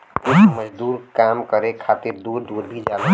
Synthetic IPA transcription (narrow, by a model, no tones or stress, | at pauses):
usməd͡ʒd̪uɾkamkəɾekʰat̪iɾd̪uɾd̪uɾbʱid͡ʒal